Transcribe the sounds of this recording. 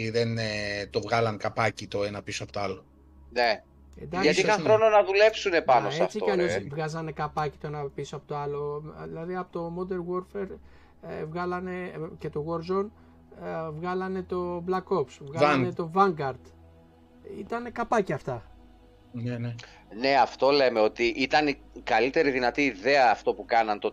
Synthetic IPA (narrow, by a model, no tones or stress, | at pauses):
ðent̪ovɣɐlɐnkɐpɐcit̪o̞e̞nɐpisoɐpot̪oalo | ne | e̞̰nd̪ɐkɐt̪siixɐxɾo̞no̞nɐðule̞psune̞pɐnoseɐft͡sikɐʎosvɣɐzɐne̞kɐpɐci̥t̪o̞enɐpisoɐpot̪oɐlo̞ðilɐðiɐpot̪o̞mo̞d̪e̞ɾɣo̞ɾfe̞ɾ | vɣɐlɐne̞ce̞t̪o̞ɣo̞ɾzo̞n | vɣɐlɐne̞t̪o̞blɐko̞psvɣɐznet̪o̞vɐŋɡɐɾd̪̥ | it̪ɐnekɐpɐciɐft̪ɐ | ne̞ɐft̪o̞le̞me̞o̞t̪iʔit̪ɐnikɐlit̪e̞ɾiðinɐt̪iːðe̞ɐːft̪o̞pukɐnɐnt̪o